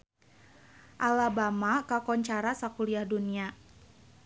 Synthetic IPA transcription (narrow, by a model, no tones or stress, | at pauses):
ʔalabamakakɔɲt͡ʃaɾasakuliahdunia